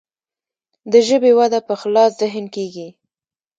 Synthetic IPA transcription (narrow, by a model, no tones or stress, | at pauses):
d̪əʒəbewad̪apəxlɑszɪɦɪnkeɡi